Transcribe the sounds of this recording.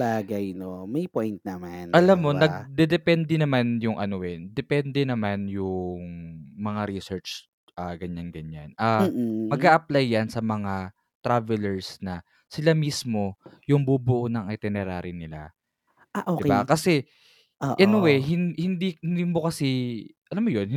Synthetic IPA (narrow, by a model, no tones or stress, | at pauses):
baːɡɐjnomɐjpojnt̪̚nɐmanʔɐlammːo̞ɐɡ̚d̪ɛd̪ɛpɛnd̪ɛnɐmanjʊŋʔɐnoʔɛd̪ɛpɛnd̪ɛnɐmanjʊŋmɐŋaɾisɛɹt͡ʃ | ʔaɡɐɲanɡɐɲːanaːmːmɐɡaːʔɐplajːansɐmɐŋa | t̪ɾavɛlɛɹsnɐ | sɪlamismo̞jʊŋbuːbʊʔonɐŋʔɐt̪ɛnɛɾa̰ːɾɪnɪla̰ | ʔaʔodɪkba̰kɐsɛ | ʔʔɐnowɛɦɪnhɪnd̪iɪmbokɐsiʔɐlamːojonh